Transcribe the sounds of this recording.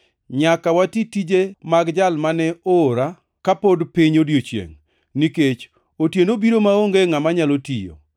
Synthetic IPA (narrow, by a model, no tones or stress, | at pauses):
ɲakawatitid͡ʒemaɡd͡ʒalmanɛoːɾa | kapodpiɲodjot͡ʃjḛŋ | niket͡ʃ | otjenobiɾomaoŋɡeŋamaɲalotijo̰